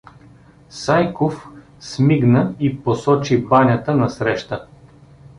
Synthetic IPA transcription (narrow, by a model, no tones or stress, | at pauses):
sajkof | smiɡnəiposɔt͡ʃibanʲət̪ənɐsɾɛʃt̪ə